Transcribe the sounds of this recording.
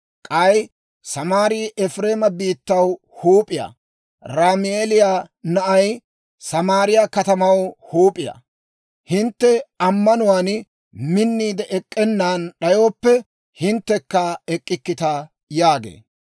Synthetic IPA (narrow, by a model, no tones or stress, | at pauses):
kʼɐj | sɐmaːɾɪjʔɛfɾe̞ːmɐbiːt̪ːɐw | huːpʼɪja̰ː | ɾaːmɪeːlɪjanɐʔɐj | sɐmaːɾɪjakɐt̪ɐmɐwhuːpʼɪja̰ | hɪnt̪ːɛɐmːɐnʊwaːn | mɪnːiːd̪ɛʔɛkʼːɛnːaːnɗɐjo̞ːpːɛ | hɪnt̪ːɛkːɐɛkʼːɪkːɪt̪a | jaːɡḛː